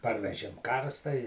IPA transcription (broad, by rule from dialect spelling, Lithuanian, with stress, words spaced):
ˈpɐrʲʋʲɛʒʲeːm ˈkɐrstɐ ɪ